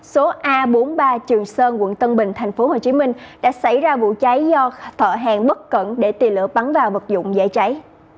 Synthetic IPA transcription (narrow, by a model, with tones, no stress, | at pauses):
so˨˦ʔaː˧ɓo˨˦nɓaː˧t͡ɕɨ˨˩əŋsəː˧nkwə̰˧˨nt̪ə˧nɓï˨˩ŋ̟t̪ʰa˨˩jŋ̟fo˨˦ho˨˩t͡ɕi˨˦mï˧ŋ̟ɗa̰ː˧˥sa˧˩jzaː˧vṵ˧˨t͡ɕa˨˦jzɔ˧t̪ʰə̰ː˧˨ɦaː˨˩ŋɓə˦˥t̚kə̰˧˨nɗe˧˩t̪i˨˩lɨ̰˧˨əɓa˨˦nvaː˨˩wvə˨˩t̚zʊ̰˧˨ŋ͡mzḛ˧˨t͡ɕa˨˦j